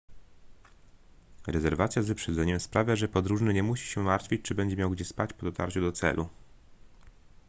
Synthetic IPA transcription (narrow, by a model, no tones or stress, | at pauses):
ɾɛzɛɾvat̪sʲjazvɘpʂɛd̪zɛɲɛmspɾavʲjaʐɛpɔd̪ɾuʐnɘɲɛmuɕi̥ɕɛmaɾt̪fʲit͡ɕt͡ʂɘbɛɲd͡ʑɛmʲjawɡd͡ʑɛspat͡ɕpɔd̪ɔt̪a̰ɾt͡ɕud̪ɔt̪sɛ̰lʔu